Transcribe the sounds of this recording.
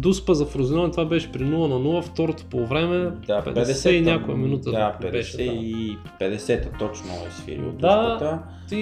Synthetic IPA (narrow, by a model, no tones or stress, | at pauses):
d̪uspəzɐfɾʊzinɔnt̪ovabɛʃɛ̥pɾinulˠənɐnulˠəft̪ɔɾot̪o̥povɾɛmɛd̪apɛ̰dɛssɛinʲjakojɛ̰minut̪əaɛdbɛʃɛɛi | pɛd̪ɛsɛt̪ət̪ɔt͡ʃnʊ̰ɛ̰sfḭɾḭo̰d̪at̪a | t̪i